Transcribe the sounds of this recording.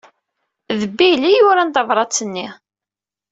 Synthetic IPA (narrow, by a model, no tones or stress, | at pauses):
ðəbːilijʊɾænt̪ɑvɾˤɑt͡sːənːi